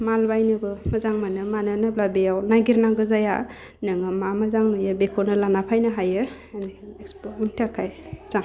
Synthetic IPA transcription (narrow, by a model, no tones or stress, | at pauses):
malbajnɯbɯmazaŋmanɯmanɯnɯblabejawnaɡiɾnaɡɯzaja̰ | nɯŋɯmamazaŋnujabekʰonɯlanapʰajnɯɦajɯ | niekspuntʰakʰajz̥a